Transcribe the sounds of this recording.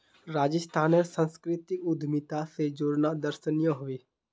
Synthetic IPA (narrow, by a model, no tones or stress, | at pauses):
ɾaːd͡ʒəst̪ʰaːnəɾsə̃nskɾɪt̪ɪkʊd̪ʱmɪt̪ased͡ʒoːɾnaːd̪əɾʃənjãɦʊʋeː